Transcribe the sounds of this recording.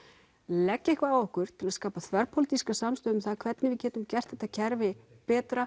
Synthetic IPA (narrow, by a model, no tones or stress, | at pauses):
lɛcːɛhkvaaɔhkʏɾ̥t̪ʰɪlaskaːpaθʰvɛɾpʰɔlit̪iskasamst̪œːðʏmθaðkʰv̥ɛt̪nɪvɪðcɛːt̪ʏmcɛr̥t̪θɛht̪ːacʰɛɾvɪ | pɛːt̪ɾa